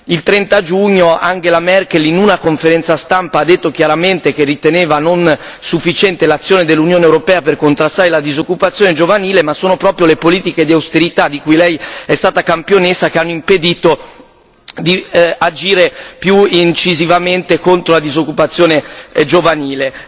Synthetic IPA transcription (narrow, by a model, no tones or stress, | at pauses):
ilt̪ɾɛnt̪ad͡ʒuɲːoaŋɡelamɛrkelinunakoɱfeɾɛnt̪sast̪ampaad̪ːet̪ːokjaɾament̪ek̟erit̪eneːvanon | sufːit͡ʃɛnt̪elat̪sːjoːned̪elːunjoːnewɾopɛːaperkont̪ɾast̪ːaːɾelad̪izokːupat̪sːjoːned͡ʒovaniːlemasoːnopɾɔːpɾjolepoliːt̪iked̪iawst̪eɾit̪ad̪ikujlɛjɛst̪aːt̪akampjonesakeanːoimped̪iːt̪o | d̪iad͡ʒiːɾepjuint͡ʃizivament̪ekont̪ɾolad̪izokːupat̪sːjoːned͡ʒovaniːle